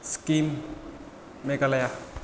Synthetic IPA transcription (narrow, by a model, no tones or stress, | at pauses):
skim | ekalaja